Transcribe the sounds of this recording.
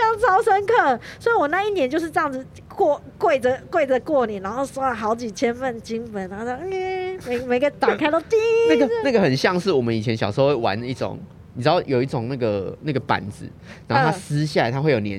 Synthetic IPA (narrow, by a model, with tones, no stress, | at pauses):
ɑ˥˩ʊt͡sʰɑ˥ʊʂə˦˥nkʰɤ˥˩swɔ˧˥i˨wɔ˨˩na˥˧i˥˩njɛ˦t͡ɕjʊʂ̬ɻ̩˥˧ʈ͡ʂɤ˥˧jɑ˥˩ŋd͡z̩˩ | kwɔ˥˩ | kwe˥˩ɪd͡zə˩kwe˥˩ɪd͡zə˨˩kwɔ˥˩ni˨˩na˧˦nxo˥˩ʊswɔ˥lə˨˩xɑ˨˧˥ʊt͡ɕi˨˩t͡ɕʰjɛ˥nfə˥˩nt͡ɕi˥ŋfə˧˦na˧˥o˥˧˥me˨˩ɪme˨ɪɡə˧˩t̪ɑ˨˩ŋkʰa˥ɪt̪o˥ʊt̪i˥˧na˥˩ɡə˨na˥˩ɡə˨˩xə˨˩nɕjɑ˥˧ŋʂɻ̩˥˩wɔ˨˩mə˦ni˨˩t͡ɕʰjɛ˦nɕjʂ̩˧˥we˥˩wa̰˧˦n˦i˥˩ʈ͡ʂo̰˨˩˦ŋ | n˨˩ʈ͡ʂɻ̩˦˥ɑ˥˩ʊjo˨˩ʊi˥˩ʈ͡ʂo˨˩ŋna˥˩ɡə˩na˥˩ɡə˩pa̰˨˥nd͡zɹ̩̰˨˦ | na˨˧˦t̪ʰa˧˥sɹ̩˦ɕ̬ja˥˩a˧ɪt̪ʰa˦xwe˥˩ɪjo˨˩njɛ̰˧˦n